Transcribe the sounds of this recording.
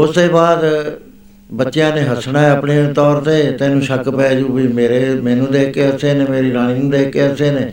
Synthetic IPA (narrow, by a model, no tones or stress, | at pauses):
ʊst̪eːbaːd̪ | bətːʃejãːneːɦəsnaːɛəpɳeːt̪ɔːɾt̪eːt̪ɛ̃ːnũːʃəkpɛːd͡ʒuːbiːmeːɾeːmɛ̃ːnũːd̪eːkeːɦəseːnẽːmeːɾiːlaːɽ̃iːnũːd̪eːkːeːɦəseːneː